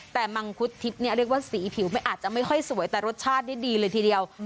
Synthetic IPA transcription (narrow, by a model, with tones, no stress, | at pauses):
t̪ɛː˨˩ma˧ŋkʰu˦˥t̪ʰːi˦˥p̚ni˥ɐɾək̚waː˥˩siː˩˦pʰi˨˩˦wma˥˩jʔaː˨˩t̪̚t͡ɕa˨˩ʔma˥˩jxʰɔ˥˩jsu˨˩˦əjt̪ɛː˨˩ɾo˦˥t̪̚t͡ɕʰaː˥˩t̪̚da˥˩jdiː˧lɤː˧jt̪ʰiː˧di˧əw